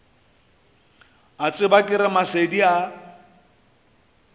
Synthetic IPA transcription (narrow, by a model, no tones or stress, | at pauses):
at͡sʼɪbakʼɪɾɪmasedia